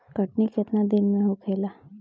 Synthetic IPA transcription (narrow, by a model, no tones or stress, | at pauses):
kəʈnikɪt̪nad̪ɪnmẽɦokʰeːlaː